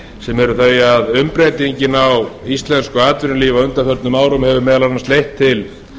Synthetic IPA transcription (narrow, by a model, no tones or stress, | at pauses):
sɛmɛɾʏθejaðʏmpɾejt̪iɲcɪnawist̪lɛnskʏaːt̪vɪɾnliːvaʏnt̪afœɾt̪nʏmaːwɾʏmhɛvʏmɛːðalanːast̪ejht̪ʰːɪl